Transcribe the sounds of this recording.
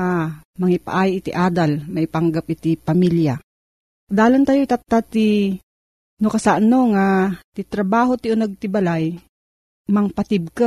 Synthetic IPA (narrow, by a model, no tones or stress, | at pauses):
amɐŋɪpa̰ʔaːjɪʔɪt̪ɪʔaːd̪almɐʔɪpaŋɡap̚ʔɪt̪ipɐmilja | d̪aːlant̪ajoit̪at̪ːat̪i | nokɐsaʔnoŋat̪it̪ɾɐbaːɦot̪ɪʊnɐɡ̚t̪ɪbalaj | mɐŋpat̪ɪb̚ka